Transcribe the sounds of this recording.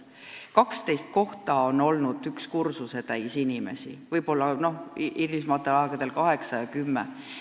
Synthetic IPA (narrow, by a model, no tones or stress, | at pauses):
kɑkst̪e̞jst̪̚ko̞ht̪ɑo̞no̞lnud̪̥ykskursuse̞t̪æjsinime̞̰sḭvɤjbo̞lːɑno̞hʔiɾismɑt̪ːˑeɑɡ̥ɑd̪e̞lkɑɦe̞ksɑjɑkymːḛ